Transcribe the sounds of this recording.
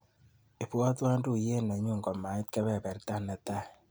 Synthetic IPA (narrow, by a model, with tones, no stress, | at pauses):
e˨pwɔ˦twa˦ndu˦˨je˦˨nɛ˨ɲu˦ŋɡɔ˨ma˨ɪ˦t̚kɛ˦βɛ˦˨bɛ˨ɾta˦nɛ˨ta˦